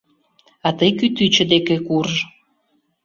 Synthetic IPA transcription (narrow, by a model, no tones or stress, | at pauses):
ɑt̪əjkyt̪yt͡ɕə̆d̪ekekur